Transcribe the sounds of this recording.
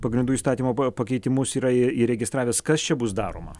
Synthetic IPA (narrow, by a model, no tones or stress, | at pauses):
pɐɡɾʲɪnd̪uːiːst̪ɑːt̪ʲiːmoːpɐkʲɛɪt̪ʲɪmʊsiːɾɐiiɾʲɛɡʲɪst̪ɾɑːʋʲeːskɐst͡ʃʲɛbʊs̬d̪ɑːɾo̰ːmɐ